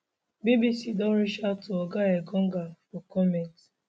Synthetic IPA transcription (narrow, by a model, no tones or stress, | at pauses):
bibisidɔ̃nɾit͡ʃatoɔɡaeɡɔ̃ŋ̩ɡafɔkɔmɛnt